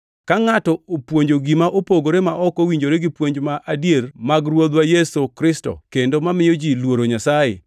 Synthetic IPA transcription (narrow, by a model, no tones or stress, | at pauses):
kaŋatɔopwoɲd͡ʒoɡimaʔopoɡoɾemaʔɔkowiɲd͡ʒoɾeɡipwoɲd͡ʒmaʔadjermaɡɾwod̪wajesokɾɪsto̰kendomamɪjod͡ʒilwoɾoɲasajḛ